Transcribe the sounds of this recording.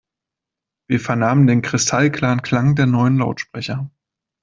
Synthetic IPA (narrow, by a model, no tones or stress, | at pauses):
v̥iːɐfɛɐnaːməndeːnkʁ̥ɪstʰalkʰl̥aːənkʰl̥aŋdeːɐnɔʏənlaʊtʃpʁ̥ɛçɐ